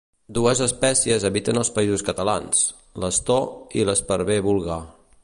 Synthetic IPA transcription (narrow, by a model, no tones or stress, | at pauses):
d̪uəzəspɛsiəzəβit̪ənəlˠspəizuskət̪əlans | ləst̪ɔiləspəɾβeβulˠɣa